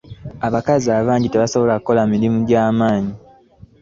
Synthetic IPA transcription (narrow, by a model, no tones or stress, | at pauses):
aβakaziaːβaːɲɟite̞βaso̞βo̞lakuko̞lamiɾimuɟaːmaːɲi